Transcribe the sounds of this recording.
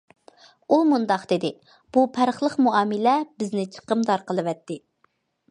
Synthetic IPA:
umund̪ɑqd̪ɪd̪ɪ | b̥upʰæɾχlˠəqmuɑːmɪlɛbɪznɪt͡ʃʰə̥qəmd̪ɑɾqəlˠɨvɛt̪ːɪ

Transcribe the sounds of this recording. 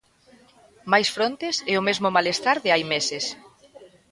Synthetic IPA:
majsfɾont̪esɛʊmezmʊmalest̪aɾðɪajmeses

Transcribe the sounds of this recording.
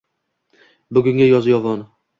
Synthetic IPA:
bʊɡʲʊŋɡʲajɒzjɒvɒn

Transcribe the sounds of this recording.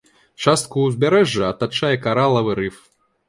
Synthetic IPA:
t͡ʂast̪̚kuːzʲbʲaɾɛʐːɐɐt̪at͡ʂajɛkaɾalˠɐvɨɾɨf

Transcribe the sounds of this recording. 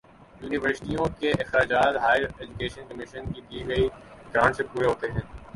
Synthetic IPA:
juːnɪʋəɾsɪ̥ʈijõkeʔɪxɾaːd͡ʒaːt̪ɦaːɪɾed͡ʒukeːʃə̃nkɐmɪʃənkid̪iːɡɐiɪkãːnsepuːɾeɦoːt̪eɦɛ̃ː

